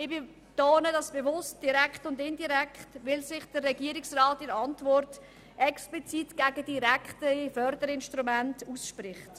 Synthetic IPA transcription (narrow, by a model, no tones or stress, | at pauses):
ɪbɪ | toːnədɑsb̥evʊst̚d̥iɾɛkχtʊndɪndiɾɛkχtʋɪlsɪχd̥ərːɛɡiəɾɪksrɑːtɪɾɑntvɔrt | ʔɛksplit͡sitɡ̥æɡədiɾækχtəifœɾdəɾɪnʃtɾumæntusʃpɾɪχt